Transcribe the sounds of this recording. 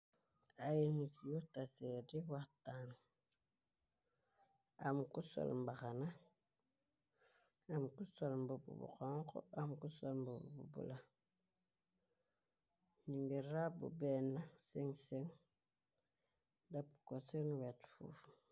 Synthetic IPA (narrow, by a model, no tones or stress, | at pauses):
ainukijotasediwatan | a̰mukuso̰lmbaxana | amkusolmbubṵbṵxoŋko̰amkusolmbubbṵbṵla | ɲiŋɡeɾabṵbenaseŋseŋ | dapu̥kosenwatfṵfu̥